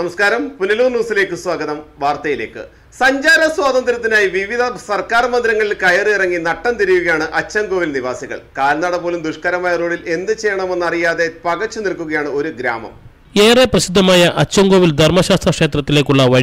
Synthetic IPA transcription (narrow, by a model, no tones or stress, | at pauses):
nɐmɐskaːɾɐmpunɐluːrnuːsile̞ːkːɨswaːɡɐðɐmʋaːrt̪ɐjile̞̰ːkːɨ̰ | sɐɲd͡ʑaːɾɐswaːd̪ɐnd̪ɾɐt̪ːinaːjiʋiʋid̪ʱɐsɐrkaːrmɐnd̪iɾɐŋːɐɭilkɐjɐrɨirɐŋːinɐʈːɐnt̪iɾijuɣɐjaːɳɨʔɐt͡ɕːɐŋɡo̞ːʋilniʋaːsiɣɐ̰ɭkaːɾɐnːaːɽɐpo̞ːlumd̪uʂkɐːɾɐmaːjɐro̞ːɭile̞nd̪ːɨt͡ɕe̞jːɐɳɐmenːɐrijaːðe̞pɐɣɐt͡ɕːunilkuɣɐjaːɳɨo̞ɾuɡɾa̰ːmɐ̰m | eːreprɐɕid̪ʱːɐmaːjɐʔɐt͡ɕːɐŋɡo̞ːʋild̪ʱɐrmɐɕaːst̪rɐkʂe̞ːt̪rɐt̪ːile̞ːkːuɭːɐʋɐɻ